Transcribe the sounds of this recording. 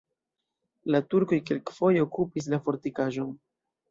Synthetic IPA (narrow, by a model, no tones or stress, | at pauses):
latuɾko̞jke̞lkfo̞jeokupis̬lafo̞ɾtikaʒo̞n